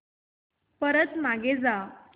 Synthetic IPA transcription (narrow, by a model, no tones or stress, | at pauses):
pəɾət̪maɡed͡za